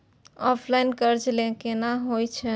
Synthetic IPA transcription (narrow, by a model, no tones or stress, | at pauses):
ɔpʰlajnkəɾd͡ʒlekenaɦojt͡ʃʰɛ